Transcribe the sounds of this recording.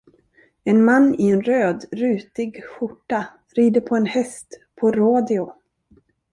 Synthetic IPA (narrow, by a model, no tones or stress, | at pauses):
ɛnmanːɪɛnɾøːd̪ɾʉ̟ːt̪ɪɡɧʊʈːa | ɾiːd̪əɾpʰɔɛnhɛst̪pʰɔɾoːd̪ɪʊ